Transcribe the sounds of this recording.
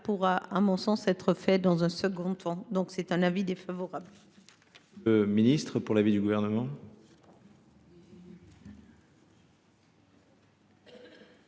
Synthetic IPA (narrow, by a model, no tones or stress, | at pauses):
puʁaʔamɔ̃sɑ̃sɛt̪χəfɛd̪ɑ̃zɛ̃səɡɔ̃t̪ʰɑ̃d̪ɔ̃ksɛt̪ɛ̃navid̪efavɔʁabl | əminist̪χəpuʁlavid̪yɡuvɛʁnəmɑ̃